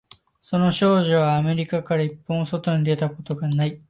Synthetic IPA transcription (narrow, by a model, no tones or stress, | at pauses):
so̞no̞ɕo̞ːʑiβaːme̞ɾʲikakaɾaipːõːso̞t̪o̞ɲ̟id̪e̞t̪ako̞t̪o̞ɡanai